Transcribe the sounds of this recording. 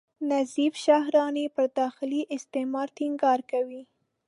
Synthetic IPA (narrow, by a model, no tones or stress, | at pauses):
nazifʃahɾɑnepəɾd̪ɑxɪliʔɪst̪emɑɾt̪iŋɡɑɾkawi